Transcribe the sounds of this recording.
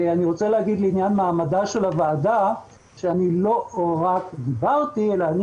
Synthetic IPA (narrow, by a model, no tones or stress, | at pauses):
aniʁo̞t͡seleɦaɡid̪leinjanmaːmadaʃe̞lavaːda | ʃeanilo̞ʁakd̪ibaʁt̪ielaːni